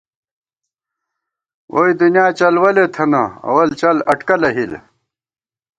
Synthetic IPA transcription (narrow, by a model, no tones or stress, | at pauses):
wʔoid̪unijaːt͡ɕɐlwɐlet̪ʰɐnɐɐ̰wɐlt͡ɕɐlɐʈkɐlɐɦil